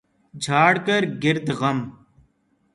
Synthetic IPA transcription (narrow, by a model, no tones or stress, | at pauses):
d͡ʒʱaːɽkəɾɡɪɾd̪ɣɐm